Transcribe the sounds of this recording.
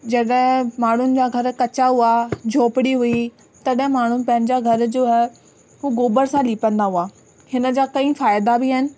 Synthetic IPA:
d͡ʑɐɗɦɪ̃maːɳ̤ʊnɪ̆d͡ʑaːɡʱɐɾkɐt͡ɕaɦuad͡ʑʱoːpɪɽiɦui | t̪ɐɗɦɪ̃maːɳ̤ʊnɪpɐ̃ɦɪ̃nɪd͡ʑaɡʱɐɾd͡ʑoːɦ | ɦuːɡoːbəɾsãliːpə̃nd̪aɦuaː | hɪnə̆d͡ʑaːkɐ̃ĩfaːjɪd̪abɪɦɪnɪ̆

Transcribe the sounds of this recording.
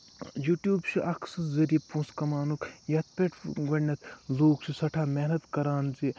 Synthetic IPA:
juːʈjuːbt͡ʃʰiʔɐkʰsɨzɐɾiːpũːskɐmaːnukjɐt̪̚peʈʰɡɐɳːɐt̪ʰloːkt͡ʃʰisɐʈʰaːmeːnɐt̪kɐɾaːnzi

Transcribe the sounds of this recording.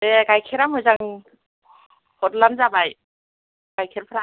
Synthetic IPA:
eɡajkʰeɾamɔjzaŋ | hɔt̚lamzabaj | ɡ̥ajkʰeɾpʰɾa

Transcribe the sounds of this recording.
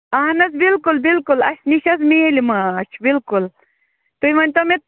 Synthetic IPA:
ɐɦnɐzbilkulbilkulɐʃniʃɐzmilimaːt͡ʃʰbilkul | t̪ujmɐnʲt̪omet̪

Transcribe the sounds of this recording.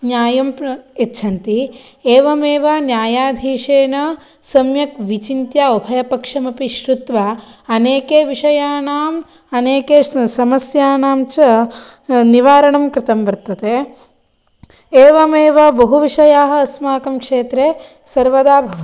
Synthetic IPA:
njaːjɐmetːʃʰɐnt̪i | eːʋɐmeːʋanjaːjaːd̪ʱiːʂeːnɐ | sɐmjɐkʋit͡ʃint̪jaːobʱɐjɐpɐkʂɐmɐpiʃɾut̪ʋaɐneːkeːʋiʂɐjaːnaːm | ɐneːkeːsɐmɐsjaːnaːmt͡ʃɐ | niʋaːɾɐɳɐmkɾɪt̪ɐmbɐɾt̪ɐt̪e | eːʋɐmeːʋɐbɐɦuʋiʂɐjaːɦɐ̆ɐsmaːkɐmkʂeːt̪ɾe | sɐɾʋɐd̪aːbʱɐʋ

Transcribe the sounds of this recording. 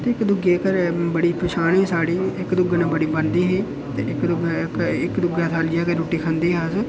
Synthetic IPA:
t̪eːɪkd̪ʊɡeːkəɾbəɽiːpʰəʃaːneːsaːɽiːɪkd̪ʊɡnãːbəɽiːbənd̪iːɦeː | t̪eɪkd̪ʊɡkɪkd̪ʊɡaːt̪ʰaːlijaːkəɾoːʈiːkʰə̃nd̪iːɦaːs

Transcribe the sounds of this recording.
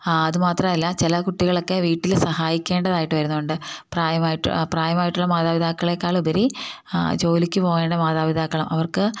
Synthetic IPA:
ɐðɨmaːt̪rɐmɐlːɐt͡ɕilɐkuʈːiɣɐɭo̞kːe̞ʋiːʈːilsɐhaːjikʲːe̞ːɳɖɐðaːjiʈːɨʋɐɾunːuuɳɖɨpraːjɐmaːjiʈːɨ̰praːjɐmaːjiʈːuɭːɐmaːðaːʋid̪aːkːɐɭekːaːɭubɐɾi | d͡ʑo̞ːlikʲːɨpo̞ːɣe̞ːɳɖɐmaːðaːʋid̪ʱaːkːɐɭɐmʔɐʋɐrkɨ

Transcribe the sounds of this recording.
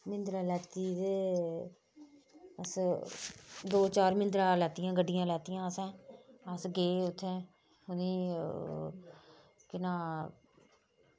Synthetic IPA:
mɪ̃nd̪ɾaːlɛːt̪iːd̪e | əs | d̪oːt͡ʃaːɾmɪ̃nd̪ɾãːlɛːt̪ɪjãːɡəɖːɪjãːlɛːt̪ɪjãːəsɛ̃ːəsɡeːʊt̪ʰːẽː | ɦʊniː | kɪnãː

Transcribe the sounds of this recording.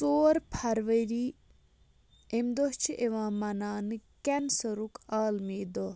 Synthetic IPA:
soːɾpʰɐɾʋɐɾiː | emd̪oɦt͡ʃʰiʔeʋãːmɐnaːnɨkɛnsɐɾukaːlmeːd̪o

